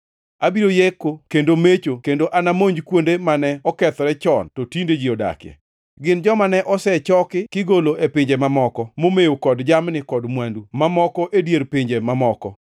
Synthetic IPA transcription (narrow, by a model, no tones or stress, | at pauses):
abiɾojekːokendomet͡ʃokendoʔanamoɲd͡ʒkwondemanɛɔkɛt̪ɔɾɛt͡ʃɔntɔtinded͡ʒiɔda̰kɪɛ̰ | ɡɪnd͡ʒɔmanɛʔɔsɛt͡ʃɔkɪkɪɡoloʔepɪɲd͡ʒemamɔkɔmomejokɔdd͡ʒamnɪkɔdmwandumamɔkɔʔedjeɾpɪɲd͡ʒemamɔkɔ